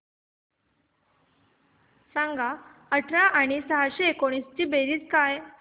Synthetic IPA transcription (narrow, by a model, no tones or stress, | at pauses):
sãŋɡaəʈʰɾaʔaɽ̃isəɦaɕeːkoɽ̃ist͡ɕiːbeɾiːt͡skaj